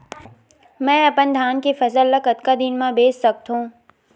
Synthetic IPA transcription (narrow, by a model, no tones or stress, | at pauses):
mɛ̃ːɐpənd̪ʱaːnkefɐzəlːəkɐt̪kad̪ɪnmãbeːsːɐk̚t̪ɦũː